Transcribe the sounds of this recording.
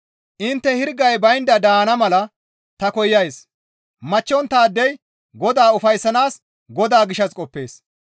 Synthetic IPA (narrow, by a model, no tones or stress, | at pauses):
ʔɪnt̪ːɛhɪɾɡɐjbɐjnd̪ɐd̪aːnɐmɐlɐ | t̪ɐkɔjːɐjs | mɐt͡ʃːɔnt̪ːaːd̪ːɛj | ɡɔd̪aːʊfɐjsːɐnaːs | ɡɔd̪aːɡɪʃɐskʼɔpːe̞ːs